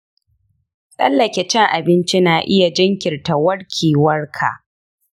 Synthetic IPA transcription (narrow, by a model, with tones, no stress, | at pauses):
sʼɐ̰˦lːɐ˨kʲɛ˨t͡ʃɛ˦ŋʔa˨bɪ˦nt͡ʃi˦naː˨ʔɪ˦ja˨d͡ʒɐ˦ŋkʲɪ˨rta˨wɐ˦ɽkʲʰiː˨wɐ˦rkʰa̰˨ʔ